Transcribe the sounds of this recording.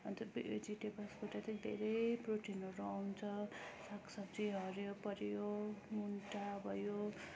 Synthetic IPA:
ʌnt̪uɾbiḛd͡ziʈepasbaʈʌtʌd̪ʱḛɾʌjproʈʰinʌɾuawnt͡sʰʌsaksʌbd͡ziɦʌɾjopʌɾjomunʈabʱʌjo

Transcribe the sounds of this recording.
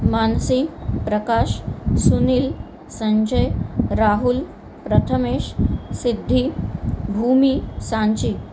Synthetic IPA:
mansipɾəkaʃsuniːl | səɲd͡ʑəjɾaːɦul | pɾət̪ʰəmeːʃsid̪ʱːibʱumiːsãɲt͡ɕi

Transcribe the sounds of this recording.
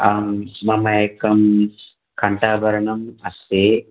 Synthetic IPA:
amːɐmɐjekɐm | kʰɐɳʈaːbʱɐɾɐɳɐmɐseː

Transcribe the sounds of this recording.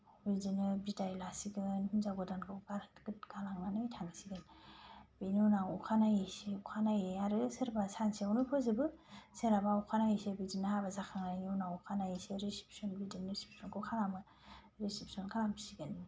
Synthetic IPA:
bizinɯbidajlasiɡɯnhunzaɡɔdankʰɯwɡaɾtɡɯt̚ɡalaŋmanɯjtʰaŋsiɡɯn | binɯnaŋukʰanajeseukʰanajeaɾɯsɯɾbasanseawnupʰɔzɯbɯseɾabaukʰanajesebizinɯhabazakʰaŋanɯwnaŋukʰanajeseɾisi̥pʰi̥sɔnbidɯnɾisi̥pi̥sʰɔnkʰɯwkʰaɾamɯ | ɾisipsɔnkʰalambisiɡɯn

